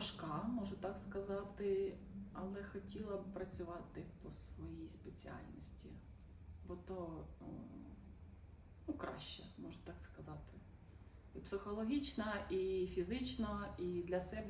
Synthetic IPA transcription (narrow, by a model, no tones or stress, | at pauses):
ʃkɑmɔʒʊt̪ɑkskɐzɑt̪ɪ | ɐlˠɛxɔtʲilˠɐpɾɐt͡sʲʊʋɑt̪ɪpɔsʋɔjijspet͡sʲiɑ̰lʲnɔsʲtʲi | bɔt̪ɔ | nukɾɑ̰ʃt͡ʃːɛ̰mɔʒʊt̪ɑkskɐzɑt̪ɪ | ipsɪxɔlˠɔɦʲit͡ʃnɐifʲizɪt͡ʃnɐid̪lʲɐsɛb